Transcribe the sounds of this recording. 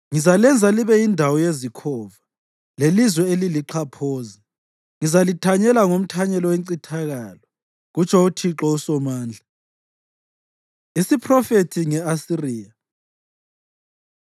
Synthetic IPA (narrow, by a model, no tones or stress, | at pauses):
ŋizalɛnd͡zʱaliβɛjindʱawɔjezikʰɔːva | lelizwɛeliliǃʰapʰoːzɛ | ŋizalitʰaɲɛlaŋom̩tʰaɲɛlɔweǀitʰaɣaːlɔ | ɣut͡ʃʰʼɔutʰiǁɔusɔmaːnd͡ɮʱa | isipʰrɔfetʰiŋɛasiriːja